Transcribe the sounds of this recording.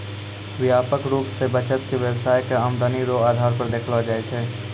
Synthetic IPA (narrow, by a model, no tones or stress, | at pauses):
ʋɪjaːpəkɾuːpsebət͡ʃət̪̚keʋjəwsaːjkeaːmd̪aniɾoːaːd̪ʱaːɾpəɾd̪eːkʰlad͡ʒaːet͡ʃʰeː